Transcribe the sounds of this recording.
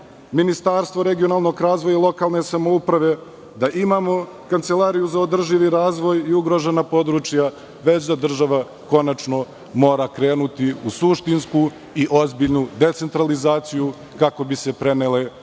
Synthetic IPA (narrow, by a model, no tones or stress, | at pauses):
minist̪aːɾst̪ʋo̞ɾeɡio̞naːlˠno̞kɾaːzʋojalˠo̞kaːlˠne̞samoupɾaʋe̞ | d̪aʔimamo̞ | kant̪se̞lˠaːɾijuzaod̪r̩ʒiʋiɾaːzʋo̞jiuɡɾo̞ʒenapo̞d̪ɾut͡ʃja | ʋe̞t͡ɕd̪ad̪r̩ʒaʋa | ko̞nat͡ʃno̞ | mo̞ːɾakɾe̞ːnut̪iusuʃt̪insku | iʔo̞zbiʎnud̪e̞t̪se̞nt̪ɾalizaːt̪siju | kako̞bise̞pɾe̞nele̞